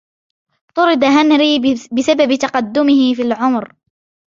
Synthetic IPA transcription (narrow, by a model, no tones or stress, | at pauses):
t̪ˤʊɾɨd̪aɦanɾiːbɪsababɪt̪ɑqɑd̪ːʊmɪhɪfiːlʕʊmɾ